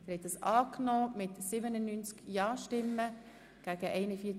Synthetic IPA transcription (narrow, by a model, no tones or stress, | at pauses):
dɛɾhɛt̪̚d̪ɑsɑːknɔːmɪtsibənənynt͡skjɑːʃtɪmːə | ɡ̥æɡ̥əʔɛɪnəfiː